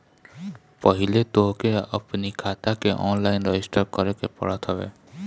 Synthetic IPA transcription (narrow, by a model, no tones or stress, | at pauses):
pəɦilet̪oɦkeə̰pnikʰaːt̪akeʔɔːnlaɪnɾəɪsʈəɾkəɾekepə̰ɽət̪ɦəbḛ